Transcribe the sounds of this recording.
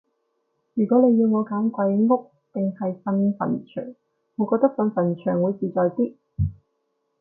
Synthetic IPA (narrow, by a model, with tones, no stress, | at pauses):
jyː˨˩kɔː˨˥ne˨˧jːiː˧wŋɔː˨˧kaː˨˥mkʷɐ˨˧jŋŋʊ˥k̚ | pɪ˨ŋhɐ˨jfɐ˧nfɐ̰˨˩nt͡ʃʰœ̰ː˨˩ŋ | ŋɔ˨˧kɔː˧k̚t̪ɐ˥k̚fɐ˧nfɐ˨˩nt͡ʃʰœː˨˩ŋwuː˨˧jt͡siː˨t͡sɔː˨jt̪iː˥